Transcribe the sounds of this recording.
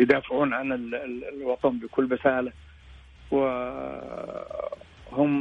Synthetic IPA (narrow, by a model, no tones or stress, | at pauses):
jd̪aːfɪʕuːnʕanɪllwɑt̪ˤɑnbɪkʊlːɾɪsaːla | wɪ | hʊm